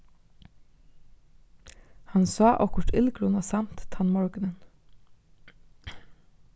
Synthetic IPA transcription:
hɑnsɑːʔɔkʊʈʰɪlɡɾuːnɑsɑmt̪t̪ʰɑnmɔɹɡənən

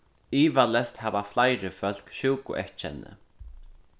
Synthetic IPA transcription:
iːvalɛst̪haːvaflajɾɪfœl̥kʃuwkʊ̰ʔɛht͡ʃɛ̰nːɪ̰

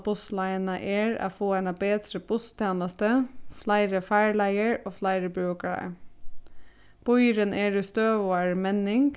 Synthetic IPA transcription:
bʊslæɪənɑʔeːɹɑ̰ːfoːæɪnɑbeːd̪ɾəbʊst̪ʰeːnəst̪əflæɪɾəfæɪɭæɪəɹoːflæɪɾəbɾøːkəɭæ̰ | b̥ɔʏɾənʔeːɖeːst̪øːʋoːæːɹmɛnɪŋɡ

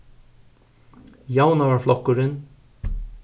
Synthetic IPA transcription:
jaːwnavaɾflɔhkːʊɾɪn

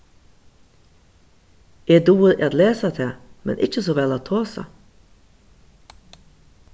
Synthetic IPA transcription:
eːd̪uːəɾʔḭːɑːt̪leːsɑt̪ʰeːmɛ̰nʔɪ̰c͡çəsoːʋɛlɑːt̪ʰoːsɑ̰

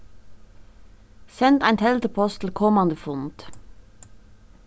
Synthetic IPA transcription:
sɛnt̪æɪnt̪ʰɛlt̪əpʰɔst̪ʰl̩kʰɔmɑnd̪əfʊnt̪

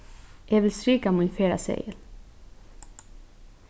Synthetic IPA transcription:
jeːʋɪlsɾiːkamɔːɪnfeːɾa̰sḛɪəl

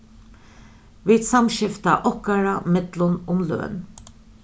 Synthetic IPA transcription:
ʋɪːd̪sɑmʃɪft̪a̰ʔɔkaɹamɛd̪lʊnʊmlø̰ːn

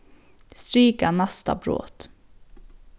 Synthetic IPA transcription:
st̪ɾiːkanast̪a̰bɾo̰ːt̪

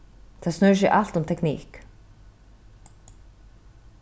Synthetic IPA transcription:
t̪ʰaðsnœs̬ɛʔal̥t̪ʊmt̪ʰɛknḭːk

